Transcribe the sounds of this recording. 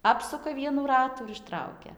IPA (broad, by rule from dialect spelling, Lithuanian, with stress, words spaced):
ˈɑːpsʊkɐ ˈʋʲiɛnuː ˈrɑːtuː ɪr ɪʃˈtrɐʊkʲɛ